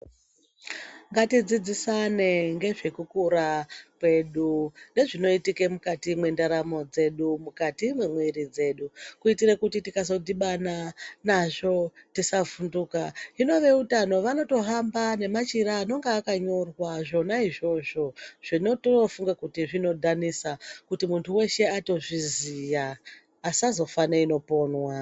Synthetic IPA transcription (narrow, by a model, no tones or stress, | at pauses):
ŋɡatid͡zid͡zisane̞ŋɡe̞ʐe̞kukuɾakwe̞ɗune̞ʐino̞itikemukatimwe̞ndaɾamo̞d͡ze̞ɗumukatimwe̞mwiɾid͡ze̞ːɗukuitirekutitikazo̞diɓananaʐo̞tisavunduːkaino̞ʋe̞utano̞ʋano̞to̞ɦambane̞mat͡ʃiɾaːno̞ŋɡaːkaɲo̞rwaʐo̞naiʐo̞ʐo̞ʐ̥ino̞tofuŋɡakutiʐino̞dʱanisakutimuntʰuwe̞ʃe̞ato̞ʐizijaː | sazo̞faneino̞po̞ːnwa